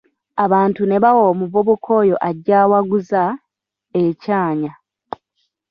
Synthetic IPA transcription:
aβaːntune̞βawomuvoβukʰo̞ːjo̞ʔaɟːaːwaɡuza | ecaːɲa

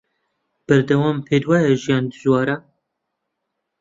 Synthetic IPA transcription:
b̥ɛɾd̪ɛwɑːmpʰeːd̪wɑːjɛʒijɑːnd̪ɨʒwɑːɾa

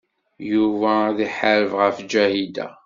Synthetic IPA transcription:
juvæðiħəɾəvʁəfd͡ʒæhid̪æ̰

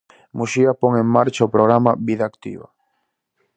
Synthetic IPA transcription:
muʃiapɔŋeŋmaɾt͡ʃaopɾoɣ̞ɾamaβiðaːkt̪ḭβa̰

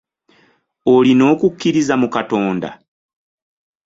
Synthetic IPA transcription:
olino̞ːkukːiɾizamukato̞ːnda̰

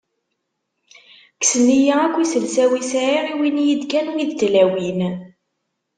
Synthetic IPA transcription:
ksənijiækʷːisəlsæwisʕiʁiwinjid̪kænuiðt̪læwin

